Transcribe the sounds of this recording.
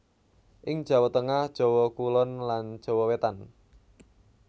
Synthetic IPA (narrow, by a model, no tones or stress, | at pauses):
ʔɪŋd̥ʒ̥a̤wɔt̪əŋahd̥ʒ̥ɔ̤wɔkulɔnlan̥d͡ʒ̥ɔ̤wɔwet̪an